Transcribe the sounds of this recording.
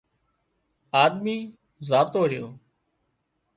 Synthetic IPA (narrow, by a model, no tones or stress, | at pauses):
aːd̪miː | zaːt̪oːɦɾɪjoː